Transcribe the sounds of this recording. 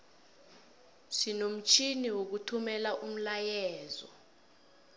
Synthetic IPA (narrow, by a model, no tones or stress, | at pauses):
sinom̩t͡ʃʰʼiniwok̬utʰumɛlaʔum̩lajɛːzɔ̰